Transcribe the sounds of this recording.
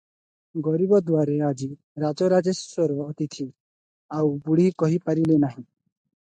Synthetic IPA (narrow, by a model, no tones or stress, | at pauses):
ɡɔɾibɔd̪waɾead͡ʒi | ɾad͡ʒɔɾad͡ʒesːwɔɾʋɔːt̪it̪ʰi | awbuɽ̤ikɔɦipaɾilenaɦĩ